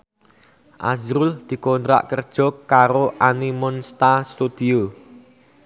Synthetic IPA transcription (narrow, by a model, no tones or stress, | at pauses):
ʔa̰zɾʊld̪̥i̤kont̪ɾa̰ʔkərd̥ʒ̥ɔ̤kːaɾoʔanimɔnst̪ast̪ud̪̥io